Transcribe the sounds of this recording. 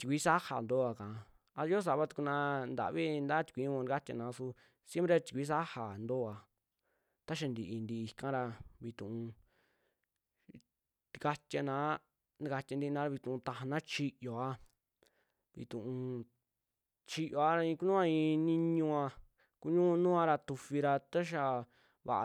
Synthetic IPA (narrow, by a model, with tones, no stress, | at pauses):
t̪i˨kʷi˦sa˦ha˨nd̪o˦a˧kã˨˧ | a˧˦o˦s̬a˨βa˦t̪u̥˧ku˧nã˧nd̪a̰˨βi˦nd̪a˦t̪i̥˧kʷi˨˦ɲũ˦˧ka˦t̪ʲa̰˧nã˨˧su˧ | sje˦mpɾe˧t̪i̥˨kʷi˦s̬a˦ha˨nd̪o˦˨a˧ | t̪a˦ʃ̬a˧nd̪i˧˨ʔi˧nd̪i˧i˧kã˦ɾa˧βi˧t̪ũ˨ũ˧ | t̪i˧ka˧t̪ʲja˧nã˨˦ | ni˧ka˧t̪ʲa˧nd̪i˧nã˧ɾa˧βi˧t̪ũ˨ũ˧t̪ã˧ɦa˧nã˦t͡ʃi˧ʔjo˨a˧ | βḭ˧˨t̪ũ˨ʔũ˧ | t͡ʃi˧jo˧a˦ɾa˧ĩ˧ku˦nũː˦ã˧ĩ˧nĩ˧ɲũ˧ã˧ | ku˦ɲũː˦˧˦nũ˦ã˧ɾa˧t̪u˧fi˧ɾa˧t̪a˦ʃ̬a˧ | βa̰˨ʔ